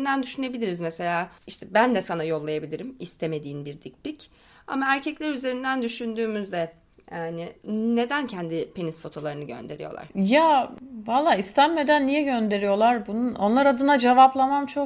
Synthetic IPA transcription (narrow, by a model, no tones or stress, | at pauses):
nd̪ænd̪yʃyne̞bilʲiɾizmese̞lʲaːiʃt̪ʰɛbænd̪ɛsanajo̞lˠːajabilʲiɾimist̪ʰeme̞d̪iːnbiɾd̪ic̚bic | a̰maæɾcʰɛclʲeɾyze̞ɾind̪ænd̪yʃynd̪yːmyzd̪ɛ | janɪne̞d̪æncʰɛnd̪ɪpʰe̞nisfo̞t̪ʰo̞lˠaɾɯnɯɟø̞̰nd̪e̞ɾḭjo̞̰lˠa̰ɾ̥javalˠːaːist̪ʰænme̞d̪ænːijɛɟø̞nd̪e̞ɾijo̞lˠaɾbununʔo̞nlˠaɾad̪ɯnad͡ʒevaplˠamamt͡ʃʰo